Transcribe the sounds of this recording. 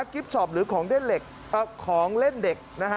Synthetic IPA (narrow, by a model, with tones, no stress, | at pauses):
a˦˥ki˦˥p̚sɔː˨˩p̚ɾɯː˩˦kʰɔː˩˦ŋde˥˩nle˨˩k̚ | ʔəː˧˩kʰːɔː˩˦ŋle˥˩nde˨˩k̚na˦˥˦